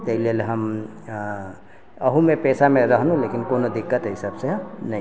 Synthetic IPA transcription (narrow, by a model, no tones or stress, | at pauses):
t̪əɦilelɦəm | əɦũmepɛːsamẽɾəɦnũleːkɪnkoːnod̪ɪkːət̪ɦɪsəbsenəɦĩ